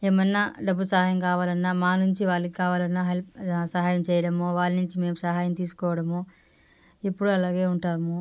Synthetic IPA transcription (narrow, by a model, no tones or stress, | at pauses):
eːmɐnaɖɐbːusɐɦaːjɐmkaːʋaːlɐnːaːmaːnuɲt͡ʃiʋaːlːɐkikaːʋaːlɐnːaːɦelpsɐɦaːjɐmt͡ʃɛːjɐɽɐmoːʋaːlɐnuɲt͡ʃime̞ːmusɐɦaːjɐmt̪iːsu̥kɔːʋɐɽɐmo | epːuɽuɐlaːɡe̞ːuɳʈaːmu